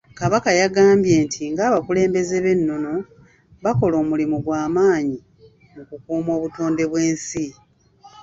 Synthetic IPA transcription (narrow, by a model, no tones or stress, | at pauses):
kaβakajaɡaːmbje̞ːntʰiŋɡaːβakule̞ːmbe̞ze̞βe̞nːo̞no̞ | βako̞lo̞ːmulimuɡwaːmaːɲi | mukukuːmo̞ːβuto̞ːnde̞βwe̞ːnsi